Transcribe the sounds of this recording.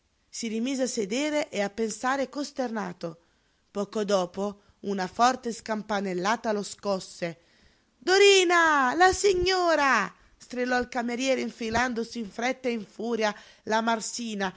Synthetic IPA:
sirimiːzeasːed̪eːɾeʔeapːensaːɾekost̪erna̰ːt̪o | pɔːkod̪ɔːpo | unafɔrt̪eskampanelːaːt̪aloskɔsːe | d̪oɾiːnalasiɲːoːɾa | st̪ɾilɔilkameɾjɛːɾeiɱfiland̪osiːɱfɾɛt̪ːeiɱfuːɾja | lamarsiːna

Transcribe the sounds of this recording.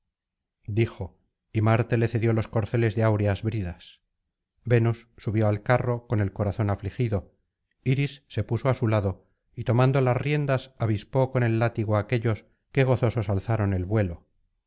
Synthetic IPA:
d̪ixo̞ | imaɾt̪e̞le̞θe̞ðjo̞lo̞sko̞ɾθe̞le̞zðeawɾeazβɾiðas | be̞nusːuβjo̞alkaro̞ko̞ne̞lko̞ɾaθo̞naflixiðo̞ | iɾisːe̞puso̞asulaðo̞ | it̪o̞mãnd̪olasrje̞nd̪asaβispo̞ko̞ne̞lːat̪iɣ̞oaːke̞ʎo̞s | ke̞ɣ̞o̞θo̞so̞salθaɾo̞ne̞lβwe̞lo̞

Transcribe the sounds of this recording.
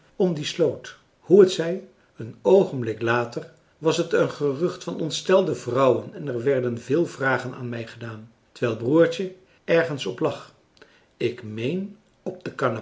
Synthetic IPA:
ɔmdislowt | huətsɛj | ənowχənblɪklaːtər | ʋɑsətənχərɵχtfɑnɔntstɛlˠdəvrɑwənɛnɛɹʋɛɹdənvɪːlˠvraːχəna̰ːnmɛjχədaːn | təɹʋɛlˠbruːɹtə | ɛɹχənsɔplɑχ | ɪkmejn | ɔb̚dəkana

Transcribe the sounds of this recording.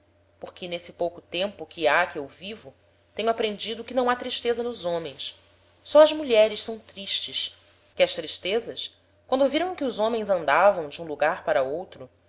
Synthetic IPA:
poχkɪnesɪpowkʊt̪ẽmpʊkʰʲɪakɪewvivʊ | t̪ẽɲʊapɾẽnd͡ʒid̪ʊkɪnɐ̃w̃at̪ɾiʃt̪ezɐnʊzõmẽj̃s | sɔɐzmuʎɛɾɪʃsɐ̃w̃t̪ɾiʃt͡ʃɪs | kɪɐʃt̪ɾiʃt̪ezɐs | kwɐ̃nd̪ʊviɾɐ̃w̃kɪʊzõmẽj̃zɐ̃nd̪avɐ̃w̃d͡ʒɪũluɡaɾpaɾɐowt̪ɾʊ

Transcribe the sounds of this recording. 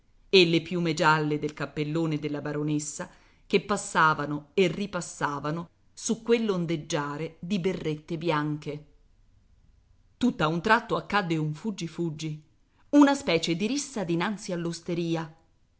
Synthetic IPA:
elːepjumed͡ʒalːed̪elkapːelːoːned̪elːabaɾonesːa | k̟epːasːaːvanoerːipasːaːvano | sukːwelːond̪ed͡ʒːaːɾed̪iberːet̪ːebjaŋke | t̪ut̪ːaunt̪ɾat̪ːoakːad̪ːeuɱfud͡ʒːifud͡ʒːi | unaspɛːt͡ʃed̪iɾisːad̪inant̪sialːost̪eɾiːa

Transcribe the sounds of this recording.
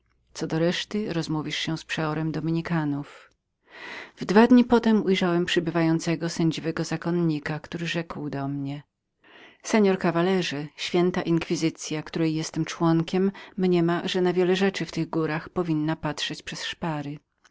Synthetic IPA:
t̪sɔd̪ɔɾɛʂt̪ɘɾɔzmuvʲiʂɕɛspʂɛɔɾɛmd̪ɔmʲiɲikanuf | vd̪vad̪ɲipɔt̪ɛmujʐawɛmpʂɘbɘvajɔnt̪sɛɡɔsɛɲd͡ʑivɛɡɔzakɔnɲikakt̪uɾɘʐɛkwd̪ɔmɲɛ | sɛɲɔɾkavalɛʐɛɕfʲjɛnt̪aʔiŋkfʲizɘt̪sʲjakt̪uɾɛjːɛst̪ɛmt͡ʂwɔŋkʲɛmːɲɛmaʐɛnavʲjɛlɛʐɛt͡ʂɘft̪ɘɣɡuɾaxpɔvʲinːapatʂɛt͡ɕpʂɛsʂpaɾɘ

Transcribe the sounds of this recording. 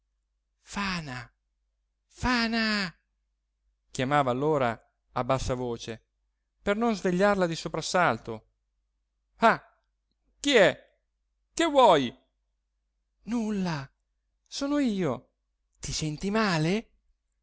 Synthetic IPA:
faːna | faːna | k̟jamaːvaːlːoːɾa | abːasːavoːt͡ʃe | pernonzveʎːarlad̪isopɾasːalt̪o | a | kiɛ | kevwɔj | nulːa | soːnoiːo | t̪isɛnt̪imaːle

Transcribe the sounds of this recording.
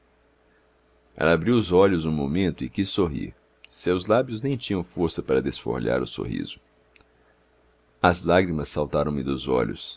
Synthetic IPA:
ɛ̰labɾiwʊzɔʎʊzũmomẽnt̪ʊɪkisːoɦḭɾ | sewzlabjʊznẽj̃t͡ʃĩɲɐ̃w̃foɾsɐpaɾɐd̪esfo̰ɾʎa̰ɾʊso̰ɦḭzʊ | ɐzlaɡɾimɐsawt̪aɾɐ̃w̃mɪd̪ʊzɔ̰ʎʊ̰s

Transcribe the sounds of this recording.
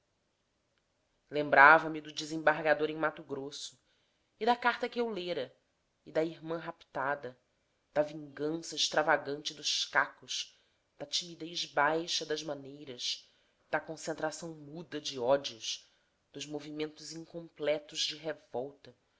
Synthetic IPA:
lẽmbɾavɐmɪd̪ʊd͡ʒɪzẽbaɦɡad̪oɾẽmat̪ʊɡɾosʊ | ɪd̪ɐkaɾt̪ɐkɪewleɾɐ | ɪd̪ɐiɾmɐ̃ɦapt̪ad̪ɐ | d̪̥ɐvĩŋɡɐ̃sɐɪʃt̪ɾavaɡɐ̃nt͡ʃɪd̪ʊʃkakʊʃ | d̪̥ɐt͡ʃimid̪ejʒbajʃɐd̪ɐʒmɐnejɾɐz | d̪̥ɐkõsẽnt̪ɾasɐ̃w̃mud̪ɐd͡ʒɪɔd͡ʒiʊʃ | d̪̥ʊʒmovimẽnt̪ʊzĩŋkõmplɛt̪ʊzd͡ʒɪɦevɔwt̪ɐ

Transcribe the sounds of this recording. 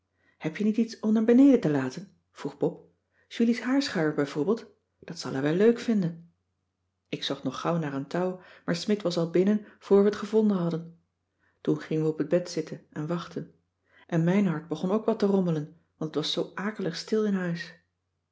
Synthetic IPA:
hɛpjənititsɔmnaːɹbənejdətəlaːtən | v̥ruχbɔp | ʒ̥ylisɦaːɹsχœɥəɹbɛjvoːɹbɪːlˠt | d̥ɑtsɑ̰lˠəʋɛløɥkfɪndən | ɪksɔχtnɔχɑwnaːrəntɑwmaːɹsmɪtʋɑsɑlˠbɪnənv̥ʊːɹʋəətχəvɔndənɦɑdən | tunχɪŋənʋəɔpəd̚bɛtsɪtʰənɛnʋɑχtən | ʔɛnmɛjnɦɑɹd̚bəχɔnowkʋɑlˠtərɔmələn | ʋɑntʰətʋɑsːowʔaːkələχstɪlˠɪnɦœɥs

